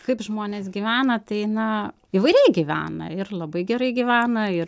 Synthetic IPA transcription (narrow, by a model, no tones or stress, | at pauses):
kɐɪpʒmoːnʲeːs̬ɡʲiʋʲæːnɐt̪ɐɪnɐ | ɪʋɐɪɾʲɛɪɡʲiʋʲæ̰ːnɐ̰ɪrlˠɐbɐɪɡʲɛɾɐɪɡʲiʋʲæːnɐɪr